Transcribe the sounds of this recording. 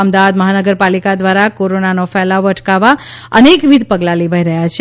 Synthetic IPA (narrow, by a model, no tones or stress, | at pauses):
əmd̪aʋad̪məɦanəɡəɾpalikad̪ʋaɾakoɾonanofɛlaʋoəʈʰkaʋaənekʋid̪ʱpəɡlaleʋʱaɦiɾəɦjat͡ʃʰ